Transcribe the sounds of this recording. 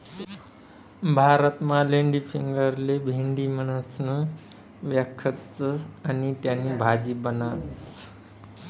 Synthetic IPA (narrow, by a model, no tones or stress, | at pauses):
bʱaɾət̪maleɳɖipʰiŋɡəɾlebʱiɳɖimənəsnə | ʋjakʰːət̪t͡sanit̪janːibʱad͡zibənat͡sʰ